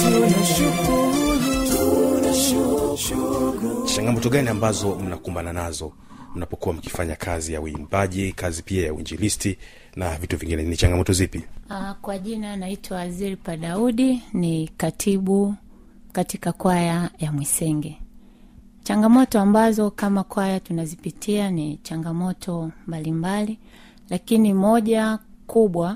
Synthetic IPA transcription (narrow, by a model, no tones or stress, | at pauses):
t͡ʃaŋɡamɔtɔɠaniambazɔm̩nakumbananazɔ | m̩napɔkuwam̩ki̥faɲakʰazijauimbaʄikazipiajauind͡ʒilisti | navituviŋɡinɛnit͡ʃaŋɡamɔtɔzipiakwaʄinanaitʰwawaziɾipaɗauɗinikatʰiɓu | katikakwajajamwisɛŋɡɛ | t͡ʃaŋɡamɔtɔambazɔkamakwajatunazipitʰianit͡ʃaŋɡamɔtʰɔmbalimbali | lakinimɔʄakuɓwa